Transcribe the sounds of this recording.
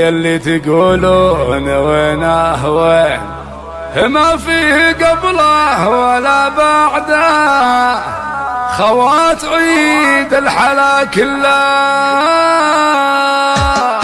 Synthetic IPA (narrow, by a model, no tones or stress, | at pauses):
jalːit̪ɪɡuːluhɪnaweːnaɦwen | hɪmafiːhɡablahwalabaʕd̪a | xawat̪ʕid̪ɪlħalakɪlːa